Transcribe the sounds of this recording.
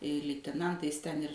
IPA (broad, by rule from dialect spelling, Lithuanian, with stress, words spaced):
lʲɪtʲɛˈnɐntɐɪs tʲɛn ɪr